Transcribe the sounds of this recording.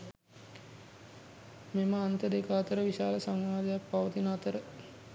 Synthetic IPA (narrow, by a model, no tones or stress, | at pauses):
meməant̪əd̪ekəat̪əɾəʋiʃaːləsaŋʋaːd̪ɐjapːaʋət̪inːt̪əɾə